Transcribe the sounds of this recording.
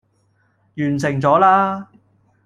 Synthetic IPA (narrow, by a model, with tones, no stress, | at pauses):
jyː˨˩nsɪ˨˩ŋt͡sɔː˨˥laː˥